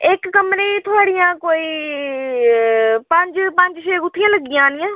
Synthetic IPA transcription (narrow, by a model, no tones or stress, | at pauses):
ɪkːəmɾeːt̪ʰoaːɽijãːkoːiː | pəɲd͡ʒpə̃ɲd͡ʒʃeːɡʊt̪ʰːijãːləɡɪjãːnɪjãː